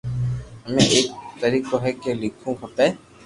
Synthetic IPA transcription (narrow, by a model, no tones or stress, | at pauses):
əmẽʔeːk̚t̪əɾiːkoɦɛkelɪkʰũkʰəpe